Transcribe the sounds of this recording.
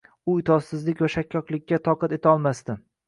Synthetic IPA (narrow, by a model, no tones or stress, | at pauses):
ʊɪt̪ʰɒzsɪzlɪkʲvaʃakʲʰːɒqlˠɪkʲːat̪ʰɒqɑt̪e̞t̪ʰaɒlˠmast̪ɪ